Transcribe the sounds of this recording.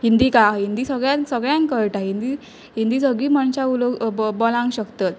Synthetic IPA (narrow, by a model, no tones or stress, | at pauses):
ɦind̪ikaɦind̪iːsəɡɭjãsəɡɭjãŋkəɾʈaɦind̪i | ɦind̪iːsəɡɭiːm̤əɳt͡ɕauloɡbɔlãŋkɕəkt̪at̪̚